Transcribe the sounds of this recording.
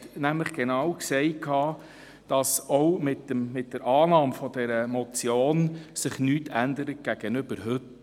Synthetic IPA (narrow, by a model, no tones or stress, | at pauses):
næmləχɡ̥enɑwksɛɪkʰːɑː | d̥ɑsɔwmɪtːəmmɪt̚d̥əɾʔɑːnɑːmfɔdɛɾəmɔt͡sjoːnsɪχnyːtʰænd̪əɾət̚ɡ̥æɡ̥ənʏb̥əɾɦʏt